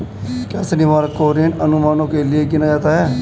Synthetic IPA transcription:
kjaːsənɪʋaːɾkoːɾenənʊmaːnõːkeːlɪeɡɪnaːd͡ʒaːt̪aːɦɛː

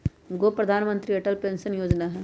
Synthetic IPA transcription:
ɡoːpɾɐd̪ʱaːnmə̃nt̪ɾiɛʈəlpẽːnsənjoːd͡ʒnaɦɛː

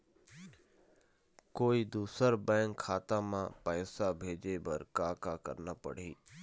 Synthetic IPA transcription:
koːid̪uːsəɾbɛ̃ːŋkʰːaːt̪amãpɛːsabʱeːd͡ʒebəɾkaːkakə̰ɾnapə̰ɽ̤iː

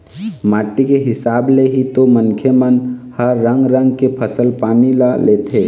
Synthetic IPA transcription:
maːʈːikeɦɪsaːbleɦit̪omənkʰjəmənhəɾːə̃ŋɡɾə̃ŋɡkepʰəsəlpaːnilaleːt̪ʰeː

